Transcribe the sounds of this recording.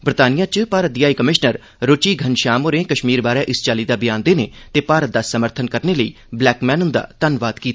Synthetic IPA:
bəɾt̪aːnijãːt͡ʃpaːɾət̪̚d̪ɪaːiːkəmɪʃnəɾ | ɾoːt͡ʃiːɡʱənʃaːmoːɾẽːkəʃmiːɾbaːɾɛːʔɪst͡ʃaːliːd̪aːbɪjãːnd̪eːneːt̪eːpaːɾət̪̚d̪aːsəməɾt̪ʰənkəɾneːləḭː | blɛːkmɛ̃ːnʊnd̪a̰ːt̪ənʋaːd̪kiːt̪a

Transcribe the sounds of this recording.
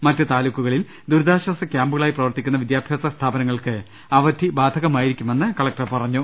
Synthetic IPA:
mɐtːɨt̪aːlukːuɣɐɭil | d̪uɾd̪aːɕɐsɐkʲaːmbuɣɐɭaːjiprɐʋɐrt̪ikʲːunːɐʋid̪jaːbʱjaːsɐst̪ʰaːbɐnɐŋːɐɭkɨ | ɐʋɐd̪ʱibaːd̪ʱɐɣɐmaːjiɾikʲːume̞nːɨkɐɭɐk̚ʈɐpɐrɐɲːu

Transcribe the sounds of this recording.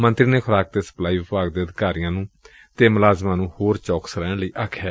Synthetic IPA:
mənt̪ɾiːneːkʰʊɾaːk̚t̪eːsə̥plaːiːʋʊpaːɡd̪eːəd̪ɪkaːɾijãːnũː | t̪eːmʊlaːzmãːnũːhoːɾt͡ʃɔːksɾɛ̃ːɳləiːʔaːkʰɛː

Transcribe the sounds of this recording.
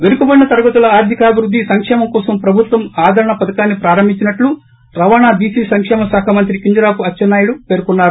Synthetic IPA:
ʋeɾukubɐɽinɐt̪ɐɾɐɡɐt̪ulɐaːɾd̪ʱikaːbʱiɾud̪ʱːisɐŋkʂɛːmɐmkɔːsɐmpɾɐbʱut̪ʋɐmaːd̪ʱɐɾɐɳɐpɐd̪ɐkaːnːipɾaːɾɐmbʱiɲt͡ʃinɐʈlu | ɾɐʋaːnaːbiːsiːsɐŋkʂɛːmɐsaːkʰamɐnt̪ɾikiɲd͡ʒɐɾaːpuɐt͡ʃt͡ʃːɐnːaːjuɽupeːɾkunːaːɾu

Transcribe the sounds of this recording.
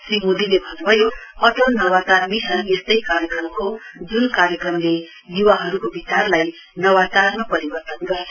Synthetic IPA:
srimud̪ilebʱʌnubʱʌjohʌʈʌlnʌwat͡sarmisʰʌnest̪ʌjkaɾjʌkrʌmkod͡zunkaɾjʌkrʌmle | juwaɦʌɾukobʱit͡sarlaj | nʌwat͡sarmapʌɾibʌrt̪ʌnɡʌe

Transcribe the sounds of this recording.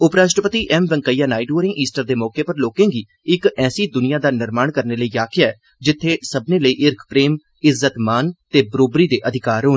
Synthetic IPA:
ʊpɾaːʃʈɾəpət̪iːʔɛmʋə̃ŋkəiːjaːnaːiɖoːɾɪ̃ŋɡiːsʈəɾd̪eːmɔːkeːpəɾloːkẽːɡiː | ɪkɛːsiːd̪ʊnɪjaːd̪aːnɪɾmaːɳkəɾneːləiːaːkʰɪjaːɛː | d͡ʒɪt̪ʰːeːsəbneːləiːʔɪɾkʰpɾeːm | ɪzːət̪maːnt̪eːbəɾoːbɾiːd̪eːʔəd̪ʱɪkaːɾɦoː

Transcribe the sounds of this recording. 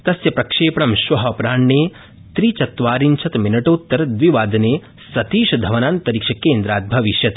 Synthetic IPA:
t̪ɐsjɐpɾɐkʂeːpɐɳɐmʃʋɐɦɐpɾaːɳːeː | t̪ɾit͡ʃɐt̪ʋaːɾint͡ʃʰɐt̪minɐʈoːt̪ːɐɾɐd̪ʋiʋaːd̪ɐneː | sɐt̪iːʃɐd̪ʱɐʋɐnaːnt̪ɐɾikʂɐkeːnd̪ɾaːt̪̚bʱɐʋiʃjɐt̪ː

